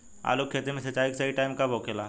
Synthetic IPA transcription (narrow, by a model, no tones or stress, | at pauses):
a̰ːlokʰːeːt̪imẽsɐt͡ʃaːɪksɐiʈaːɪmkaboːkelaː